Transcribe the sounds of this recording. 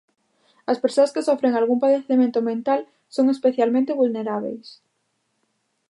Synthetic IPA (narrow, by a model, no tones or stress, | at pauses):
ɐspeɾsoɐskɪsɔfɾeŋalɣumpaðeθemẽnt̪ʊmẽnt̪al | soŋespeθjalmẽnt̪eβulneɾaβḛjs